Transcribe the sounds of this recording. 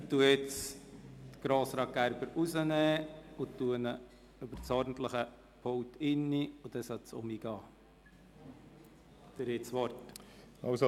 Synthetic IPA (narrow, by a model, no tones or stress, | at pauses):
t̪uəɪt͡s | t̪ɡ̥ɾoːsɾɑːk̚ɡ̥æɾb̥əɾusənɛːʊt̪ːuənə | øb̥əɾt͡sɔɾdn̩t̪ləχə | pʰɔwt̪ʰɪnːiʊd̥̪ɛsɑt͡sʊ̰miɡ̥ɑː | d̪̥əɾɪsʋɔɾt | ɑwso